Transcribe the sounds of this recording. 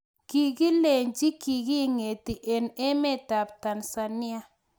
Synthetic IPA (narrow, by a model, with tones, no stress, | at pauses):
ki˨ɡi˦le˨ɲd͡ʒi˦ki˨ɡi˦ŋe˨ti˨ʔe˨ne˦me˦˨ta˨p̚ta˨nsa˨nɪ˦a˦